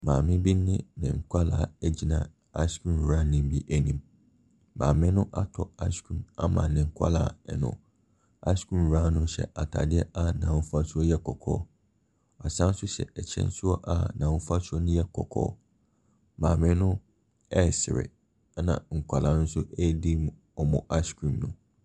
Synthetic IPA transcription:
mãː˨mɪ̃˦bi˦n˦nɪ̃˦nɪ̰̃˨ŋ̩˨kʰʷa˦laː˨ɛ˦d͡ʑi˦nã̰˨ | a˦skʰũ˦n˨a˦nɪ̃˦m˦bi˦ʔæ˦nĩ˨m | mã̰ː˨mɪ̃˦nʊ̃˦ʔa˦tʰɔ˨a˦skʰũ˦˨ma̰˦mã̰˨nɪ̃˨ŋ̩˨kʷʰa̰˦la̰ː˨˦˨nʊ̰̃˨ | a̰˦skʰũ˦n˨a˦nʊ̃˦ɕɛ̰˨ʔa˨tʰa̰˨dɪ˦ɛ˦ʔa˦˨nã˨wʊ̃˦fa˦sʊ˦ɔ˦jɛ˦kʰɔ˨kʰɔ̰ː˦ | a˨sã˦n̩˦sʊ˦ɕɛ̰˨ɛ˨t͡ɕʰɛ̰̃˦n˦sʊ˦ɔ˦ʔa˦˨nã˨ʊ˦fa˦sʊ˦ɔ˦nʊ̃˦jɛ˦kʰɔ̰˨kʰɔ̰ː˦ | mãː˨mɪ̃˦nʊ̃˦ | ɛ˦˨sɪ˨ɾɪ̰˨˦ | nã̰˨ŋ̩˨kʰʷa˨lã˨nʊ̃˦n̩˦sʊ˦ʔɛ˦˨di˦m˨ | ɔ˨mɔ̰̃˨ʔa˦skʰũ˨mnʊ̃˨

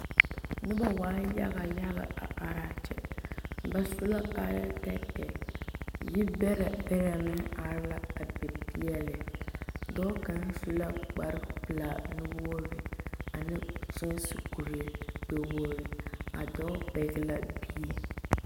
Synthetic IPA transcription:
nɨ˦ba˦waː˦ja̰˦ɣa˨ja˦ɣa̰˨a̰˨a˨ɾa˦t͡ʃɛ̰˨ba˦su˦la˦ka˦ja˦tɛ˦tɛ˨ | ji˦bɛ˦ɾa˨bɛ˦ɾa˨mɨ˦a˨ɾla˦a˨bɛ˨pi˦ɛ˦lɨ˨ | dɔ˦ka˨n̩˦su˦la˦k͡pa˨ɾɨ˦pɨ˨la˨nɨ˦wo˦ɾɨ˨a˨nɨ˦su˦n˦sɨ˨ku˨ɾɨ˨k͡pe˨woː˦ɾɨ˨a̰˨dɔ˦pe˨˦ɡla˦bi˦ɛ˨

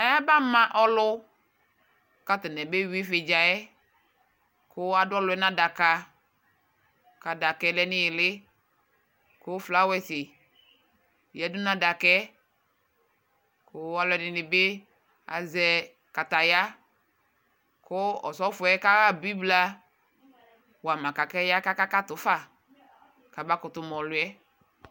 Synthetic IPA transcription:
a˨ja˦ba˦mã˦ʔɔ˦lʊ˦ | ka˨tɪ˨nɛ˨be˦wi˦fɪ˨d͡ʒa˨ɛ˦ | kʊ˦a˨dʊ˦ɔ˦lʊ˨˦ɛ˦nã˦da˨ka˨ | ka˨da˨kɛ˨˦lɛ˨nɪ̃˦jɪ˨lɪ˦ | kʊ˦fla˦wɛ˨sɪ˨ | jɛ˨˦dʊ˦nã˨˦da˨kɛ˦ | kʊ˨a˨˦lʊ˨˦ɛ˨nɪ˨nɪ˨bɪ˦ | a̰˨zɛ˨ | ka˨ta˨ja˦ | kʊ˦ɔ̰˨sɔ˨˦fʊ˨ɛ˨˦ka˦ɣa˦˨bi˦bla˦ | wa˨mã˨ka˨kɛ˦ja˦ka˦ka˦ka˦tʊ˨˦fa˦˨ | ka˨ba˧˦kʊ˨tʊ˨mɔ˨lʊ˨ɛ˦

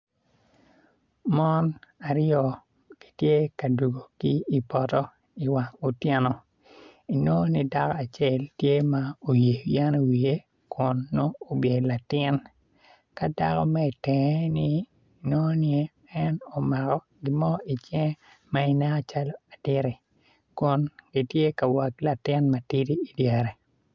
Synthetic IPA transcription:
mɔ˦na˨ɾjɔ˨ | ki̥˨tje˦ka˨du˨ɡo˨ki˦i˨pɔ˨tɔ˦ | i˨wa˨ŋo˨tjɛ˦nɔ˨ | i˨no˦ni˦da˦kɔ˦a˨t͡ʃɛ˦ltje˦ma˦o˨je˨ja˦n˨wi˨e˦ | kʊ˨nːoː˦˨bje˨la˨tɪ˦n | ka˦da̰˦kɔ˦mɛ˦i˨tɛ˨˦ni˦ | no˦nje˦ | ɛ˦nɔ˨ma˨kɔ˦ | ɡi˦mɔ˦i˨t͡ʃɛ˦ŋ˦ | ma˦i˨nɛ˦a˦t͡ʃa˦lɔ˦a˨tɪ˦ɾi˨ | kʊ˨nɡ̥i˦tje˦ka˨wa˨kla˨tɪ˦nma˨ti˦ti˦i˨djɛ˨ɾɛ˨

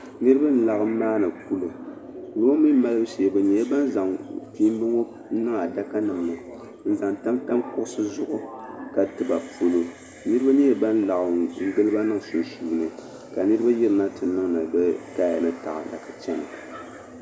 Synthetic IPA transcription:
nɨ˦ɾɨ˦ba˦nɨ˨la˨ɣɨ˦m˦maː˦nɨ˨ku˦lo˨ | lo˦mi˦ma˦lɨ˦bɨ˦si˨bɨ˨ɲɛ˨˦ja˦ba˦n˦za˨ŋpi˦m˦bɨ˦ŋo˦ | nɨ˦ŋa˨da˦ka˦nɨ˨ŋnɨ˨ | n̩˨za˨ŋta˦mta˦mkʊ˦ʔʊ˦sɨ˦zʊ˦ʔʊ˦ka˨tɨ˨ba˨po˦lo˦ | nɨ˦ɾɨ˦ba˦ɲɛ˦jba˦n˦la˨ʔŋ̩˦ɡɨ˦lɨ˦ba˦nɨ˦ŋ˨so˨suː˨nɨ˨ | ka˨nɨ˦ɾɨ˦ba˦jɛ˦ɾɨ˨na˦tɨ˨nɨ˦ŋnɨ˨bɛ˦kaː˦˨jɛ˨nɨ˦ta̰˨ʔa̰˨da˨ka˨t͡ʃɛ˦ma̰˨

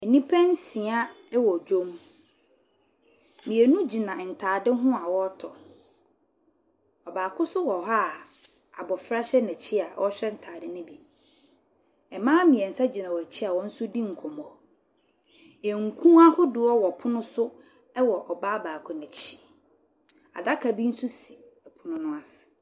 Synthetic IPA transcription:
ɛ˨nĩ˦pʰɛ̃˦n˦sĩ˨a˦ | ɛ˦wɔ˨d͡ʑᶣõ˦m | mĩ˨ɛ˨nũ˦d͡ʑi˨nã˨n̩˨tʰaː˨dɪ˦ɦʊ̃˦a˨wɔ˦tʰɔ˨ | ɔ˨baː˨kʰʊ˦sʊ˦wɔ˨ɦa˦˨ | a˨bɔ˨fɾa˦ɕɛ˦nɛ̃˨t͡ɕʰi˦a˨wʔɔ˦ɕᶣɛ˦n̩˨tʰaː˨dɪ˦nʊ̃˦bi˨ | ɛ˨mãː˦mĩ˨ɛ˨n̩˨sa˦d͡ʑi˨nã˨wɔ˨æ˨t͡ɕʰi˦a˨wɔ˦n̩˦sʊ˦dĩ˦ŋ̩˨kʰɔ˨mɔ˨ | e˨ŋ̩˨kʰũ˦a˦hʊ˦dʊ˨ɔ˦wɔ˨pʰʊ˦nʊ̃˦sʊ˦ | ɛ˦wɔ˨ʔɔ˨baː˦baː˨kʰʊ˦nɛ̃˨t͡ɕʰi̥˨ | a̰˨da˦kʰa˨bi˦n̩˦su˦si̥˨ | ɛ˨pʰʊ˨nʊ̃˦nʊ̃˦a˦sɪ̥˨

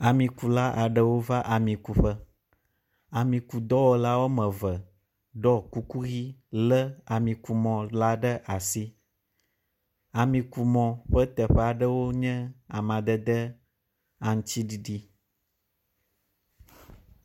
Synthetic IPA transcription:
a˨mĩ˨ku˨la˦ʔa˨ɖə˦wo˦va˦ʔa˨mĩ˨ku˨ɸə˦ | a˨mĩ˨ku˨d̪ɔ˦wo˦la˦wo˦mə̃˨və˨ | ɖɔ˦ku˦ku˦ɣi˦lə˦a˨mĩ˨ku˨mɔ̃˨la˦ɖə˦ʔa˨si˦ | a˨mĩ˨ku˨mɔ̃˨ɸə˦t̪ə˨ɸɛ˦a˨ɖə˦wo˦ɲɛ̃˦a˨mã˨d̪ə˦d̪ə˦ | a˨ŋ̩˦t͡ɕi˦ɖi˨ɖi˦

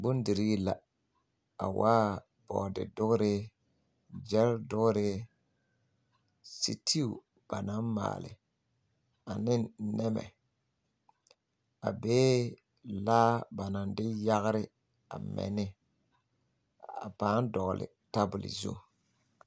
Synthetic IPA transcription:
bʊ˦n˦di˨ɾi˦la˨ | a̰˨waː˦ | bɔ̰˨dɪ̰˨dʊ˦ɣɾɪ˦ | d͡ʒɛ˦ldʊ˦ɣɾɪ˦ | sḭ˨tʰi˦u˨ | b̥a˨na˨˦nma̰ː˨lɪ̰˨ | a˨nɪ˦nɛ˦mɛ̰˨ | a˨beː˦ | laː˦ba˨na˨ndɪ˦ja˦ɣɾɪ˦ | a̰˨mɛ̰˨nɪ˦ | a̰˨paː˨˦n˦dɔ˨ɣlɪ̰˨ | ta˦bʊ˨lɪ̰˨zṵ˦˨

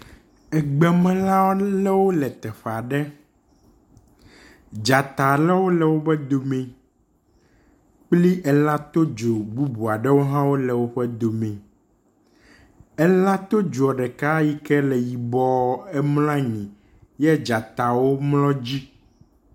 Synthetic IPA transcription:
ɛ˨ɡ͡bɛ˨mɛ̃˦lã˦wo˦lɛ˦wo˦lɛ˨t̪ɛ˨ɸa˨ɖɛ˦ | d͡ʒa˨t̪a˨lɛ˦wo˦lɛ˨wo˦bɛ˦d̪o˨mɛ̃˨ | k͡pli˦ʔɛ˨lã˦t̪o˦d͡ʒo˨bu˦bu˨a˨ɖɛ˦wo˦ɦã˦wo˦lɛ˨wo˦ɸɛ˦d̪o˨mɛ̃˨ | ɛ˦lã˦t̪o˦d͡ʒu˨ɔ˨ɖɛ˨ka˦ji˦kɛ˦lɛ˨ji˨bɔ˦ɛ˦ml̃ã˦ɲĩ˨ | jɛ˦d͡ʒa˨t̪a˨wo˦mlɔ̃˦d͡ʑi˦

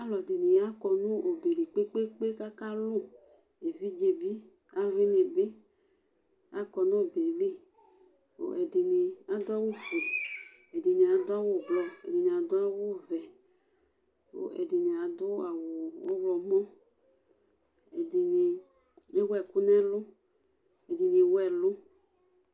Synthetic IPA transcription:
a˦lɔ˨di˨ni˨a˦kɔ˨nũ˦ʔo˨be˨li˨k͡pe˦k͡pe˦k͡pe˦ka˦ka˦lʊ˦ | e˨vi˦d͡ʒe˨bi˦ | a˦vi˦ne˨be˦ | a˦kɔ˨nũ˦˨be˨le˦ | o̰˨ɛ˨di˨ni˨a˦d̪ʊ˦a˦wo˦fu˨ɛ˨dɪ˨ne˨a˨d̪ʊ˦a˦wʊ˨ɡ͡blɔ˦ɛ̰˨dɪ˨nẽ˨a˨d̪ʊ˦a˦wʊ˦˨vɛ˨ | o̰˨ʔɛ̰˨dɪ˨ne˨a˨d̪ʊ˦a˨wʊ˨o˦wlɔ˨mɔ̃˦ | ɛ˨di˨ɲe˨ | ɲe˦wɛ˨ku˦nɛ˦lʊ˦ | e˨di˨ɲe˨wɛ˨lʊ˦

